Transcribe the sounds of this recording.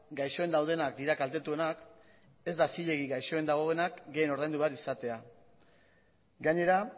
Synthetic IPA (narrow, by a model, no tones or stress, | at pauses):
ɡajʃo̞e̞nd̪awð̞e̞nakd̪iɾakalt̪e̞t̪ue̞nak | e̞zd̪asiʎe̞ɣ̞iɣajʃo̞e̞nd̪aɣ̞o̞ɣe̞nakɡe̞jeno̞ɾðajnd̪uβaɾisat̪e̞a | ɡaɲe̞ɾa